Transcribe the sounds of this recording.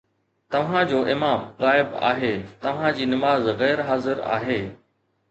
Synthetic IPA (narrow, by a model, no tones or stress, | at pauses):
t̪ɐʋ̤ãd͡ʑoːʔɪmaːmɣaːɪba̰ːɦeːt̪ɐʋ̤ãd͡ʑiːnɐmaːzɣɛːɾɦaːzɪɾa̰ːɦeː